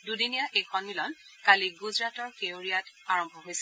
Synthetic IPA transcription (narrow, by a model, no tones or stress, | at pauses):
dudinijaʔejxʰɔnmilɔn | kaliɡuzɹatɔɹkeoɹijat | aɹɔmbʱɔɦojsɛ̥